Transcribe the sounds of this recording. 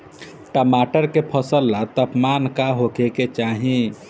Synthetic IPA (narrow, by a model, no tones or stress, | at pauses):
ʈəmaʈəɾkepʰəsəlːat̪əpmankaɦokeket͡ʃaɦĩ